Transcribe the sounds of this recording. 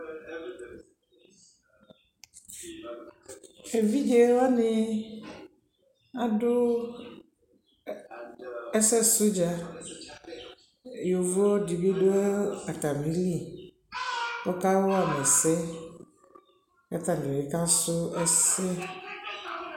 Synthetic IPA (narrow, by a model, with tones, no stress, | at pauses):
e˨vi˦d͡ʒe˦wa˦nɪ̃˦ | a˦dʊ˦ | ɛ˦sɛ˦sʊ˦d͡ʒa˦˨ | jo˨vɔ˦di˨bi˦dʊ˦ɛ˦a˨ta˨mĩ˨˦ɾi˦˨ | pɔ˦ka˦wɔ˦a˨mɛ˨sɛ˦ | ka˦ta˨nɪ̃˨e˨kã˦sʊ˦ɛ˦sɛ˦